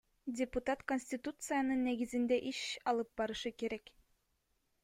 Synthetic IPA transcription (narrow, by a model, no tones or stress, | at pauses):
dʲɪput̪at̪konʲsʲtʲit̪ut̪sɨjanɯnːɛɡizind̪ɛʔiʃɑlˠɯp̚bɑɾɯʃɯkeɾɛk